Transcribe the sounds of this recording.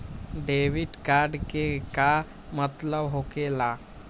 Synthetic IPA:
ɖeːʋɪɖkaːɾɖkeka | mət̪ləbɦokelaː

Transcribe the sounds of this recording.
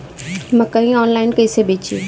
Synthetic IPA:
mɐkaĩɔːnlaːɪnkəɪsebeːt͡ʃḭ

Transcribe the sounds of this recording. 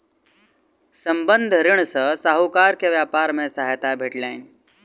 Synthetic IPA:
sə̃mbənd̪ʱɾɪɽ̃sə̃saːɦukaːɾkeʋjaːpaːɾmẽsaːɦet̪abʱeʈlaːɪn

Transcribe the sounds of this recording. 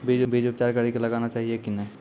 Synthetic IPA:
bid͡ʒbid͡ʒʊp̚t͡ʃaːɾkəɾikelɐɡaːnat͡ʃaːɦiekinɛ̃ː

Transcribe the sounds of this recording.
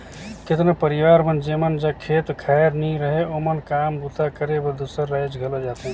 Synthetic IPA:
ket̪nopəɾiʋaɾmənd͡ʒemənd͡ʒakʰet̪kʰaɾniɾəɦeomənkambut̪akəɾebəd̪usəɾːajd͡ʒɡʱələd͡ʒat̪eɦ

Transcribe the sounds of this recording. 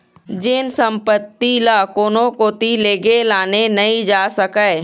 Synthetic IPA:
d͡ʒɪnsɐ̃mpət̪ːilaːkoːnõkoːt̪ileːɡelaːnenɐĩd͡ʒaːsɐkae

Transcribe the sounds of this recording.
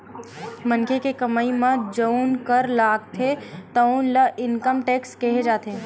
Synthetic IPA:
mənkʰekekɐmaimɐ̃d͡ʒəunkəɾlaːɡt̪ʰet̪ɐnlɐʔɪnkəmʈeːkskeɦed͡ʒaːt̪ʰeː

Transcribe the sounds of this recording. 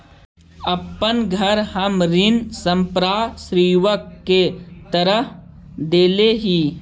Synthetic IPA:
əpːənɡʱəɾhəmɾɪnsə̃mpɾaːsɾiːʋəkːet̪əɾəh | d̪eːleɦiː

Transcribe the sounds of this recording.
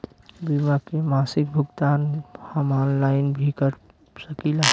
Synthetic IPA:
bimakemaːsɪk̚bʱʊɡt̪aːnhəmɔːnlaːɪnbʱikəɾ | səkila

